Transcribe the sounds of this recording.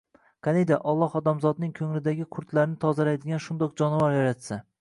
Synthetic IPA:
qʰɑnejd̪aʔɒlˠːɒhɒd̪amzɒd̪nɪŋkʰɵŋlɪd̪aɡʲɪqʰʊɾt̪ʰlaɾɪnɪt̪ʰɒzalajd̪ɪɡʲanʃʊnd̪ɒq̚d͡ʒɒnvaɾjaɾat̪sa

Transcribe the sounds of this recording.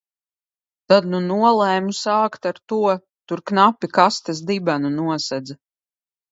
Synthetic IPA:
t̪ad̪nunuɔlˠɛjmusaːkt̪aɾt̪uɔ | t̪uɾknapʲːikast̪asd̪ibanunuɔsɛd̪z

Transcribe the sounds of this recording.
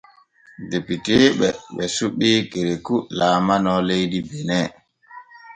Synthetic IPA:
depiteɓɛɓɛsuɓːikeɾekulaːmanɔlejdibɛnɛ

